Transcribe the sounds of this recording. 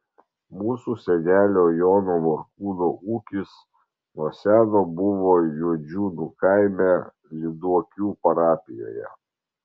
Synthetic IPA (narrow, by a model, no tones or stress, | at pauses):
muːsuːsʲɛnʲæːlʲoːjoːnoːmɔɾkuːnoːʔuːkʲɪs | nuɔsʲæːnoːbʊʋoːjuɔd͡ʒʲuːnukɑɪmʲæ | lʲɪd̪uɔkʲuːpɐɾɑːpʲɪjo̰ːjɛ̰